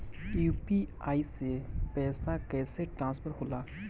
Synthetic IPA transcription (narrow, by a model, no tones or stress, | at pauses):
juːpiaːisepɛːsakɛːseʈɾãːnspʰəɾɦoːlaː